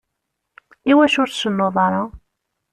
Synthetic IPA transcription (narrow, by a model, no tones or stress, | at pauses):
iwæʃʊɾθsənːoðˤɑɾˤɑ